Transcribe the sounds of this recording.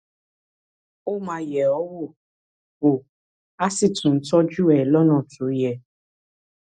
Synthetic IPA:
o˦mã˧jɛ˨ɔ˨˦wo˦˨ | wo˨ | a˦si˦˨tũ˨n̩˦tɔ˦d͡ʒu˦ɛ˨lɔ˦nɔ̃˦˨tʰu˨˦jɛ˧

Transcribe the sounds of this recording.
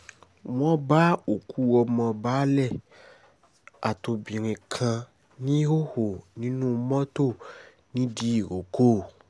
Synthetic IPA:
m̃ɔ̃˦ba˦o˨kʰu˦wɔ˧mɔ̃˧ba˦lɛ˦˨ | a̰˨t̪o˨bĩ˨ɾ̃ĩ˨kʰã˧ | nĩ˦wo˦ho˨nĩ˦nũ˦mɔ̃˦t̪o˦˨ | nĩ˦di˦˨ɣo˨ko˦˨

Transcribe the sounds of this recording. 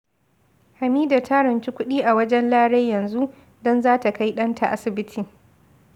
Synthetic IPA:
ha˨miː˦da˨tʰa˦ɾɐ˨nt͡ʃi˦kʷʊ˦ɗiː˦ʔa˨wɐ˦d͡ʒɛ˦nlaː˦ɽe˦jɐ˨nzu˦ʔ | dɔ˦nzaː˦ta˨ka˦jɗɐ˦ntʰa˨ʔa˦sɪ˨bɪ˦tʰiː˨

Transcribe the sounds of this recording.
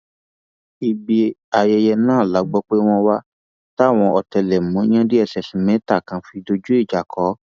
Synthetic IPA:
i˨bi˧a˨jɛ˧jɛ˧nãː˦˨la˨˦ɡ͡bɔ˦k͡pe˦w̃ɔ̃˧wa˦ | ta˦˨w̃ɔ̃˧ʔɔ˨tɛ˧lɛ˨mɔ̃˨˦ã˦di˦ɛ˧˨sɛ˨sĩ˨˦mɛ̃˨˦ta˦˨kã˧fi˧do˧d͡ʒu˦i˦˨d͡ʒa˨kʰɔ˨˦

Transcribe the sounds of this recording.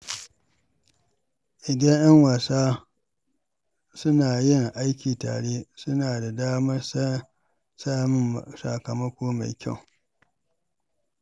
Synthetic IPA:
ʔɪ˨dɐ˦ŋjɐ˦ŋwa˨saː˦ | sʊ˦naː˨jɪ˦ŋʔa˦jkʲiː˨ta̰ː˨ɽeː˦sʊ˦naː˨da˨daː˦mɐ˦s | saː˦mɪ˦msa̰˨kɐ˨mɐ˦kʷoː˦ma̰˨jkʲa̰˦˨w

